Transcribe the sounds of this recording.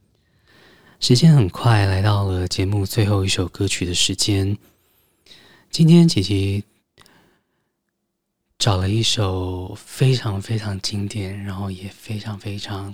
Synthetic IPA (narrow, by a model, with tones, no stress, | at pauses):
ʂɻ̩˧˥t͡ɕjɛ˥nxə˨˩nkʰwa˥˩ɪla˧˥ɪt̪ɑ˥˩ʊlə˩t͡ɕjɛ˧˥mu˥˧t͡swe˥˧ɪxo˥˧ʊi˥˩ʂo˨˩ʊkɤ˥t͡ɕʰy˨˩d̪ə˦ʂɻ̩˧˥t͡ɕjɛ˥n | t͡ɕi˥nt̪ʰjɛ˥nt͡ɕʰi˨˩t͡ɕʰi˧˥ | ʈ͡ʂɑ˨˩ʊlə˦i˥˩ʂo˨˩ʊfe˥ɪʈ͡ʂʰɑ˧˥ŋfe˥ɪʈ͡ʂʰɑ˧˥ŋt͡ɕi˥ŋt̪jɛ˨˩˦nɻa˧˥nxo˥˩ʊjɛ˨˩fe˥ɪʈ͡ʂʰɑ˧˥ŋfe˥ɪʈ͡ʂʰɑ˧˥˦ŋ